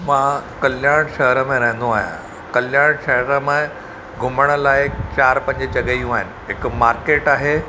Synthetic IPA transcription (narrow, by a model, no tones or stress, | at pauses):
mãːkɐljaːɽ̃ʃɐɦəɾəmẽɾɐɦə̃nd̪oaːɦijã̰ | kɐljaːɽ̃ʃɐɦəɾəmẽ | ɡʱʊməɽ̃ə̆laːɪt͡ɕaːɾpɐ̃ɲd͡ʑəd͡ʑɐɠəijũaːɦɪnɪ̆ɦɪkmaːɾkeːʈaːɦeː